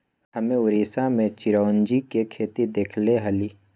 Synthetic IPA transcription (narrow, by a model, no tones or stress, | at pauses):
ɦəmẽʊɾiːsamẽt͡ʃɪɾaːnd͡ʒikekʰeːt̪id̪eːkʰleɦɐliː